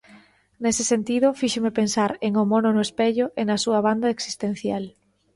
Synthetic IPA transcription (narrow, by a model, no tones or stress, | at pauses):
nesɪsent̪iðʊfiʃomepensaɾeŋomɔnʊnʊespeʎʊʔenɐsuɐβ̞and̪ɐeksi̥st̪en̟θjal